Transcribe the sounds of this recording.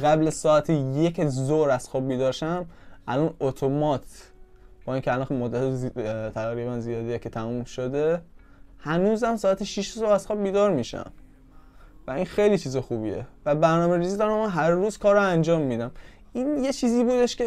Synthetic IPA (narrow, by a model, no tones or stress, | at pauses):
ɣæblæzsɒːæt̪ʰejecʰzoɾæz̥xɒːb̚biːd̪ɒːɾʃæmʔælɒnot̪ʰomɒt̪ʰ | b̥ɒːiːŋcʰɛælɒnxmod̪ːæt̪ʰet̪ʰæɣɾiːβænzijɒːd̪ejekʰet̪ʰæmumʃod̪e̞ | hænuːzæmsɒːæt̪ʰeʃiʃzoæz̥xɒːb̚biːd̪ɒɾmiːʃæ̰m | væinxejliːt͡ʃʰiːzexuːbḭḛvæbæɾnɒːmeɾiːziːd̪ɒɾæmænɦæɾːuːz̥kʰɒːɾoænd͡ʒɒːmːiːd̪æm | iːnje̞t͡ʃʰiːziːbuːd̪e̞ʃkʰe